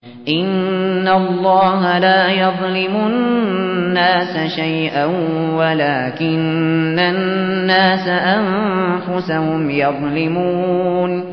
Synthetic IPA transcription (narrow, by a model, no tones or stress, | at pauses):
ʔɪnːalˤːɑːɦalaːjɑðˤlɪmʊ | nːaːsaʃajʔanwalaːkɪnːanːaːsaʔanfʊsahʊmjɑðˤlɪmuːn